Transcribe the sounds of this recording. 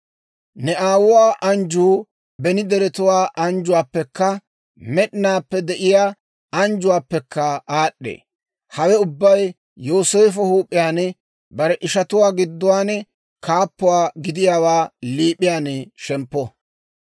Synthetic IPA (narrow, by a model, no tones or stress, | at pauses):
nɛʔaːwʊwaːʔɐnd͡ʒuː | bɛnɪd̪ɛɾɛt̪ʊwaːʔɐnd͡ʒʊwaːpːɛkːɐ | mɛɗnaːpːɛd̪ɛʔɪjaː | ɐnd͡ʒʊwaːpːɛkːɐaːɗːḛː | hɐwɛʊbːɐj | joːseːfɔhuːpʼːɪjaːnɛ | bɐɾɛʔɪʃɐt̪ʊwaːɡɪd̪ːʊwaːnɛ | kaːpːʊwaːɡɪd̪ɪjaːwaːliːpʼːɪjaːnɛʃɛmpːɔ